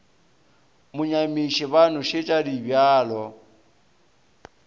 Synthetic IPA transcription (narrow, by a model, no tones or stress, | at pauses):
mʊɲamiʃiβan̤ʊʃɪt͡ʃʼadibjaːlɔ